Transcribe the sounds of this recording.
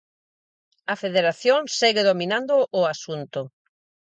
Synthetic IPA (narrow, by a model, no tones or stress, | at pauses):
ɐfeðeɾaθjoŋsɛɣɪðomĩnãnd̪ʊʔʊasunt̪ʊ